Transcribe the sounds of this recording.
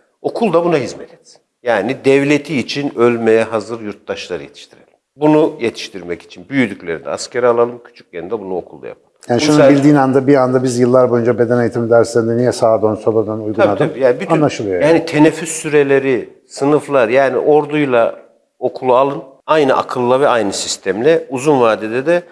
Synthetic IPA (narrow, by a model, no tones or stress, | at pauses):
o̞kʰulˠd̪abunaɦizmɛt̪ʰɛ̥t̪si̥njaːnid̪ɛvlʲet̪ʰiːt͡ʃʰinø̞lʲmejɛɦazɯɾjuɾt̪̚d̪aʃlˠaɾɯjet̪ʰi̥ʃt̪ʰiɾḛlʲimbunujet̪ʰi̥ʃt̪ʰiɾmɛci̥t͡ʃʰinbyjyd̪ycʲlʲe̞ɾind̪ɛ̰a̰scʰeɾalˠalˠɯmcʰy̥t͡ʃʰy̥c̚jeɾind̪ɛbunuokʰulˠd̪a̰ja̰pʰalˠɯjaːniʃunbilʲd̪iːnand̪abiand̪abizjɯlˠːaɾbo̞jund͡ʒabed̪ɛnajit̪ʰimid̪æɾsænd̪ɛnijɛsaːd̪onsolad̪anujɡ̪unad̪ɯambiːjaːnbyt̪annlˠaʃɯlˠɯjojaːnit̪ʰe̞nɛfːysːyɾelʲe̞ɾi | sɯnɯflˠaɾjaːnḭʔo̞ɾd̪ujlˠa | o̞kʰulˠualˠɯnajnɯʔa̰kʰɯlˠːavɛajnɯsist̪ʰæmlʲɛuzunvaːd̪id̪ɛd̪ɛ